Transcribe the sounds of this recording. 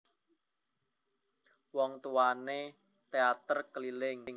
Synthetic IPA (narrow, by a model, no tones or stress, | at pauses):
wɔŋt̪uwane | t̪eat̪ərkəlilɪŋŋ